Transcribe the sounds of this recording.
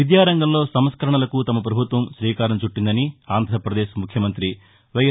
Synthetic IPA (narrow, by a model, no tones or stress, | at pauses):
id̪jaːɾɐŋɡɐmlo̞ːsɐmskɐɾɐɳɐlɐkut̪ɐmɐp̬ɾɐbʱut̪ʋɐmʃɾiːkaːɾɐmt͡ʃuʈːind̪ɐniaːnd̪ʱɾɐɾpɾɐd̪eːʃmukʰjɐmɐnt̪ɾi | ʋɐjɐ